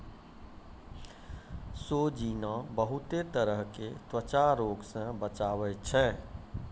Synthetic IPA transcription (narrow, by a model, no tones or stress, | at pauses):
sod͡ʒinãbəɦut̪et̪əɾəɦket̪wət͡ʃaɾoɡsə̃bət͡ʃaʋɛt͡ʃʰɛː